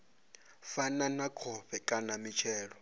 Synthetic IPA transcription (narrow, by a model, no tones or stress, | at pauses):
fananakʰɔɸɛkʼanamit͡ʃʰɛːɺɔ